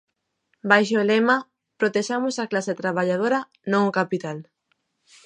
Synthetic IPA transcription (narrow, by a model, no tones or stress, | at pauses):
bajʃ̬oolɛma | pɾot̪eʃamʊsaklaset̪ɾaβaʎað̞oɾɐ | nõŋokapit̪al